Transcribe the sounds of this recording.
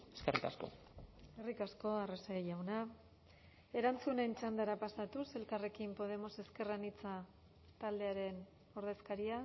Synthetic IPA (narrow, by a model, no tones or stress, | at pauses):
e̥skerika̰sko̰ | eskerikasko̞areseʝawna | e̞ɾant͡sune̞nt͡ʃand̪aɾapasat̪use̞lkare̞kimpo̞ð̞e̞mo̞se̞ske̞ranit͡sa | t̪ald̪e̞aɾe̞n | o̞ɾðe̞skaɾia